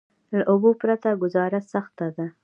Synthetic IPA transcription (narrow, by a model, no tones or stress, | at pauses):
laʔʊbopɾat̪aɡʊzɑɾasaxt̪ad̪a